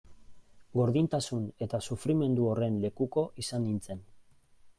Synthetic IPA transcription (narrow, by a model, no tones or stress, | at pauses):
ɡo̞ɾðint̪asune̞t̪asufɾime̞nd̪uo̞re̞nle̞kuko̞ʔisanːint͡se̞n